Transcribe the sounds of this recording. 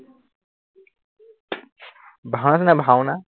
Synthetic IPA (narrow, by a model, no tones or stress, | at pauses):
bʱawnas̬inabʱawna